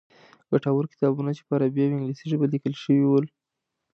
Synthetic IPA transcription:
ɡaʈawəɾkɪ̥t̪ɑbunat͡ʃe̥paɾabjɑwɪŋɡlisiʒəbəlikəlʃəwiwəl

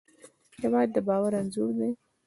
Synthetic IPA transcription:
hewɑd̪ːəbɑwaɾanzuɾd̪e

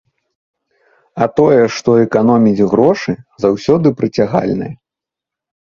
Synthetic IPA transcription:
ɐt̪ɔjɛʂt̪ɔɛkanɔmʲid͡zʲɣɾɔʂɨzawsʲɔd̪ɨpɾɐt͡sʲaɣa̰lʲnɨ̰jɐ

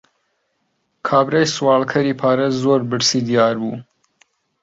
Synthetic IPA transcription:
kʰaːbɾɐjswaːlkʰɐɾiːpʰaːɾɐzoːɾbɨɽsiːd̪ijaːɾbuː

